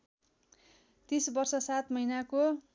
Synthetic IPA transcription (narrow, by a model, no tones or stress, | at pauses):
t̪isbʌrsʌsat̪mʌjnako